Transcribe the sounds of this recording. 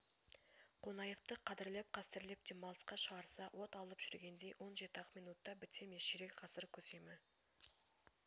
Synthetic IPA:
qʰonɑjeft̪əqʰɑd̪ɪɾlep̚qʰɑst̪ɪɾle̞p̚t̪e̞mɑlˠəsqɑʃəʁɑɾsɑwʔo̞t̪ɑlˠəpʒ̥ʏɾɡʲe̞nd̪e̞jwo̞nʒe̞t̪əɑqmijnut̪ːɑbɪt̪ʰemeʃɪɾe̞kʲqʰɑsəɾkʲʰɵse̞mɪ

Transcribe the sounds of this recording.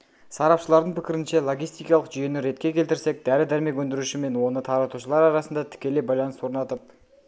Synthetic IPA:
sɑɾɑpʃəlˠɑɾd̪əɴpʰɪkʲɪɾɪnʃe̞lˠo̞ɡʲijst̪ijkɑlˠəqʒyje̞nɪɾe̞t̪kʲe̞kʲʰe̞lt̪ɪɾse̞k̚d̪æɾɪd̪æɾme̞kʲɵnd̪ɪɾuʃɪme̞nwo̞nət̪ʰɑɾɑt̪uʃəlˠɑɾɑɾɑsənd̪ɑt̪ʰɪ̥kʲe̞le̞jbɑjlˠɑnəswo̞ɾnɑt̪əp̚

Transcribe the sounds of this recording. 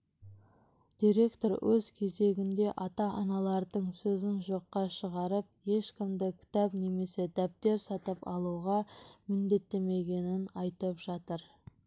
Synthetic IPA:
d̪̥iɾe̞kt̪o̞ɾwɵzkʲʰe̞ze̞ɡʲɪnd̪e̞ʔɑt̪ɑʔɑnɑlˠɑɾd̪əɴsɵzɪnʒo̞qːɑʃəʁɑɾəp̚je̞ʃkʲɪmd̪ɪkʲʰɪ̥t̪ɑpne̞me̞se̞d̪æp̚t̪e̞ɾsɑt̪əpɑ̰lˠuʁɑmɪnd̪e̞t̪ːe̞me̞ɡʲe̞nɪnɑjt̪əpʒ̥ɑt̪əɾ

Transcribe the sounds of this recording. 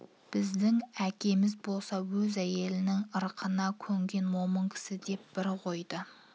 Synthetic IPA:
b̥ɪzd̪ɪŋækʲe̞mɪzbo̞lˠsɑwɵzæje̞lɪnɪŋəɾqʰənɑkʲʰɵŋɡʲe̞nwo̞məŋkʲʰɪ̥sɪd̪e̞p̚b̥ɪɾqʰo̞jd̪ə

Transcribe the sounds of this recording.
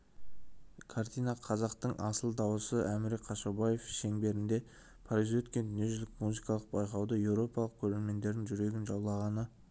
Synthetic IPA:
kʰart̪ijnaqʰɑzɑqt̪əɴʔɑsəlˠd̪ɑwəsəʔæmɪɾqʰɑʃabaje̞fʃe̞ŋbe̞ɾɪnd̪e̞ | pʰaɾizwɵt̪kʲe̞nd̪ʏnije̞ʒʏzɪkmuzijkɑlˠəq̚bɑjqɑwd̪əje̞wɾo̞pɑlˠəq̚kʲʰɵɾe̞ɾme̞nd̪e̞ɾd̪ɪŋʒʏɾe̞ɡʲɪnʒɑwlˠɑʁɑnə

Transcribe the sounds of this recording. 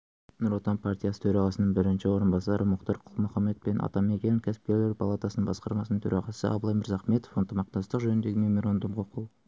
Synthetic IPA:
nʊɾot̪ɑnpʰart̪ʲijasə̥t̪ʰɵɾɑʁɑsənəɴbɪɾɪnʃɪwo̞ɾənbɑsɑɾʔəmʊqt̪ɑɾqʰʊlˠmʊχɑmːe̞t̪̚penʔɑ̰t̪ɑme̞kʲenɪŋkʲʰæsɪ̥p̚kʲe̞ɾleɾpʰalˠat̪ɑsənəɴbɑsqɑɾmɑsənəŋt̪ʰø̰ɾɑʁɑsə̰ʔɑ̰bəlˠɑjmɪɾzɑχme̞t̪ofnt̪əmɑq̚t̪ɑst̪əqʒɵnɪnd̪e̞ɡʲɪmemoɾand̪umqʰoqʰuw

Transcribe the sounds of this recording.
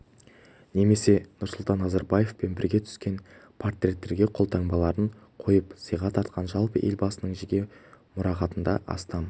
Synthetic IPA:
ne̞me̞se̞nʊɾsʊlˠt̪ɑnːɑzɑɾbɑje̞fpe̞nbɪɾɡʲe̞t̪ʰʏ̥skʲe̞npʰort̪rʲe̞t̪ːe̞ɾɡʲe̞qʰo̞lˠt̪ʰɑɴbɑlˠɑɾəɴqʰo̞jəpsəjʁɑt̪ʰɑɾt̪̚qʰɑnʒɑlˠpəʔe̞lbɑsənəɴʒɪɡʲe̞mʊɾɑqɑt̪ənd̪ɑ̰ʔɑ̰st̪ɑm

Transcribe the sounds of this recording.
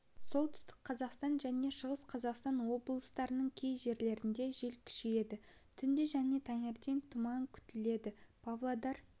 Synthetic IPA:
so̞lˠt̪ʰʏ̥st̪ɪ̥qqʰːɑzɑqst̪ɑnʒæne̞ʃəʁəsqʰɑzɑqst̪ɑnwo̞blˠəst̪ɑɾənəɴkʲʰe̞jʒe̞ɾle̞ɾɪnd̪e̞ʒelkʲʰʏ̥ʃeje̞d̪ɪ | t̪ʰʏnd̪ɪʒæne̞t̪ʰɑneɾt̪ʲent̪ʰʊmɑŋkʲʰʏ̥t̪ɪle̞d̪ɪpʰavlˠod̪ɑr

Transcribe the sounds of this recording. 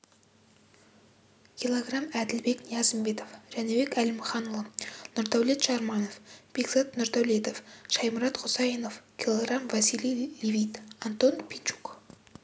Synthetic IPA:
kʲʰilˠoɡramæd̪ɪlbe̞knijɑzəmbe̞t̪o̞fʒ̥ænebe̞kælɪmχɑnlˠənʊɾd̪æwlet̪ʃɑɾmɑno̞fpʲiɡzat̪nʊɾt̪æwlet̪ofʃɑjməɾɑt̪qʰʊsɑjənofkʲʰilˠoɡramvɑsilʲijlʲevʲijt̪ant̪o̞npʰʲint͡ʃu̥k

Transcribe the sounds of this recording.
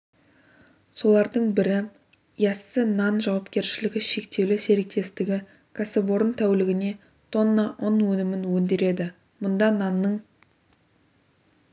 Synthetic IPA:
so̞lˠɑɾd̪əɴbɪɾɪ | jɑsːənɑnʒɑwɑpkʲe̞ɾʃɪlɪɡʲɪʃe̞kt̪e̞wlɪse̞ɾek̚t̪ʰe̞st̪ɪɡʲɪ | kʰasebo̞ɾənt̪ʰæwlɪɡʲɪne̞ | t̪ʰo̞nːɑʔonwɵnɪmɪnwɵnd̪e̞ɾe̞d̪ɪ | mʊnd̪ɑnɑnːəɴ

